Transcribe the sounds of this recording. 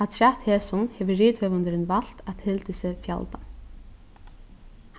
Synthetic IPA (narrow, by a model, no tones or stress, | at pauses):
at̪ʰɾaht̪hɛːsʊnhɛvʏriːt̪hœːvant̪ɪɾɪnval̥t̪at̪hɪlt̪ɪsɛfja̰lt̪a